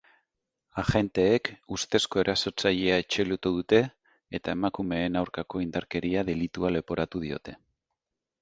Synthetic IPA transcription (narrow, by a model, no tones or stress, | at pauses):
axe̞nt̪e̞ːkust̪e̞sko̞e̞ɾʔaso̞ɾt͡saʎe̞ae̞t͡ʃe̞lut̪uðut̪e̞ː | t̪ae̞makume̞ːnawɾkako̞ind̪aɾke̞ɾiaðe̞lit̪uale̞po̞ɾat̪uð̞io̞t̪e̞